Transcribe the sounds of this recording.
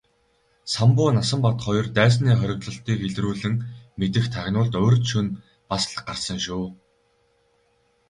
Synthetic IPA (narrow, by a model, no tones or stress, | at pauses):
sampʊːnasə̆mpɔt̪χɔj̆rt̪æːs̬niːχœɾʲɪ̆ktɮɞ̆ɬt̪iːkeɮɾuːɮɘ̆ŋmet̪ɘ̆xt̪ʰaɣʲnʊːɮt̪ɵːrt̪ʃun | pasɮə̥̆q̚ɢarsə̆ŋʃuː